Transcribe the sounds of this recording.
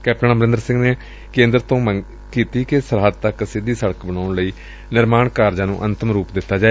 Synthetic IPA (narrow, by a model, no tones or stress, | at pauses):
kɛːp̚ʈənaːməɾɪ̃nd̪əɾsɪ̃ŋɡneː | kẽːnd̪ɾt̪õːməŋ | kiːt̪iːkɪsəɾɦəd̪̚t̪əksɪd̪iːsəɽəkbəɽaːʊɳləiː | nɪɾmaːɳkaːɾd͡ʒãːnũːʔənt̪əmɾuːpd̪ɪt̪ːaːd͡ʒaːe